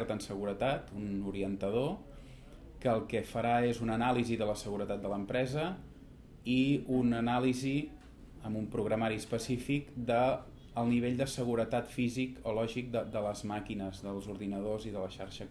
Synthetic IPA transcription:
ɾt̪ənsəɣ̞uɾət̪at̪unuɾiənt̪əð̞o | kəːlˠkɛfəɾaezunənaliziðələsəɣuɾət̪at̪̚d̪ələmpɾɛzə | iunənalizi | əmumpɾuɣɾəmaɾiəspəsifikd̪əː | lˠniβ̞eʎd̪əsəɣuɾət̪at̪fizikolɔʒik̚d̪əd̪ələzmakinəzðəlˠzuɾðinəð̞oziðələʃaɾʃə

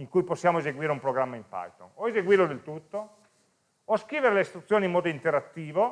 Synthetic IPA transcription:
iŋkujposːjaːmoezeɡwiːɾeumpɾoɡɾamːaimpa̰jt̪onoezeɡwiːrɾlod̪elt̪ut̪ːo | oskɾiːveɾelest̪ɾut̪sːjoːnimːɔːd̪oint̪eɾat̪ːiːvo

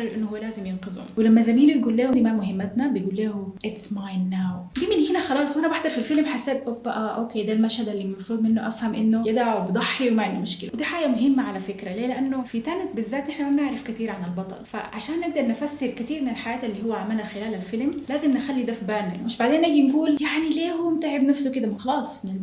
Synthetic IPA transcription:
ɑɾʔenːohowːælæːzemjenqezho̰mwelæmːæzæmiːnbejɡuːlːæːhod̪iːmæmoɦemːæt̪næbejɡuːlːæːhoʔɪt̪smajnːaːwd̪iːmenhinæxɑlɑːsˤwʔænæbaħd̪ˤɑɾˤfilfelmħasːæːd̪ʔobæʔæʔoːkeːd̪æːlmæʃhæd̪ælːiːmɑfɾuːd̪ˤmenːoʔæfhæmʔenːojed̪ʕobed̪ˤɑħːiwemæʕend̪imoʃkelæ̰wed̪iːħaːɡæmoɦemːaʕalæfekɾæleːleʔænːofit̪ænt̪̚bɪzːæːt̪ʔeħnæmæmneʕɾɑfkæt̪iːɾʕanɪlbɑt̪ˤɑ̰lfæ̰ʕaʃæːnːeɡ̚d̪ɑɾˤnɪfæsːeɾkæt̪iːɾmɪnelħajæːt̪ʔelːiːhowːæʕamːænæxelæːlælfelmlæːzemnexælːid̪æfibæːnæmɪʃbaʕd̪eːnʔæɡinɡuːljaʕnileːhomt̪aʕebnæfsoked̪æmxɑlɑːsˤnɪl

